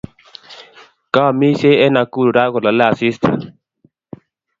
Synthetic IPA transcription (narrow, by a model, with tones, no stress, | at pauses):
ka˦˨mi˦se˦ɛ˦na˨ku˦ɾu˨ɾa˦ɣɔ˨la˨lɛ˦a˨si˦sta̰˨